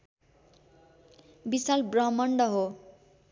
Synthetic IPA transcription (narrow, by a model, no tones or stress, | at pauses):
bisalbrʌmʌɳɖʌɦo